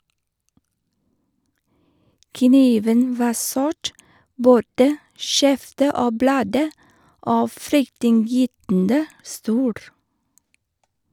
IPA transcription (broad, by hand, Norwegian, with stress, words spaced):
kəˈniːʋən ˈʋɑː ˈsʊʈ ˈboːdə ˈʃɛftə ˈoː ˈblɑːdə ˈoː ˈfɾʏktɪnˌjyːtn̩də ˈstuːɾ